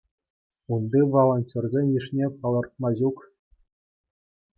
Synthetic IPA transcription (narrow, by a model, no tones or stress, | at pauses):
und̪iʋolˠonʲtʲerʲzʲenʲjiʂnʲepɑlˠɤ̆rt̪̚mɑʑuk